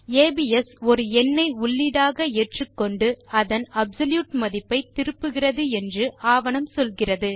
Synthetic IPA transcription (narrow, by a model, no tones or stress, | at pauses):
eːbiɛsɔɾɯɛnːɐɪʊɭːiɽaːɣɐɛːʈrɯkːɔɳɖɯɐðɐnɐbsɐljuːʈmɐðɪpːɐɪt̪ɪɾɯpːɯɣɪrɐðɯɛndrɯaːʋɐnɐmsɔlɣɪrɐðɯ